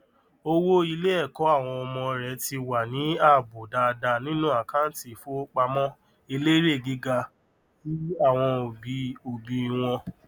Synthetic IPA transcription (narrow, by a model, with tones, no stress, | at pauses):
o˧wo˦i˧le˦ɛ˦˨kɔ˨˦a˦˨w̃ɔ̃˧ɔ˧mɔ̃˧ɾɛ˨˦ti˧wa˨nĩ˨˦a˦˨bo˨da˧da˧nĩ˦nũ˦a˦˨kã˦n̩˦ti˨fo˦k͡pa˧mɔ̃˦ | e˧le˦ɾe˦˨ɡi˨˦ɡa˧ | ti˦a˦˨w̃ɔ̃˧o˨bi˨˧o˨bi˧i˧w̃ɔ̃˧